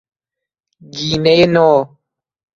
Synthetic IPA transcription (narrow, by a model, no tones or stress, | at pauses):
ɡinɛjenɔː